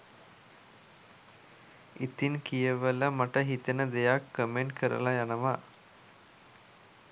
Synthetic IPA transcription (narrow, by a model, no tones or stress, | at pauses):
ʔit̪inkijəʋələmaʈəɦit̪ənəd̪ejakːəmeɳʈkʰəɾə̰lajanəʋa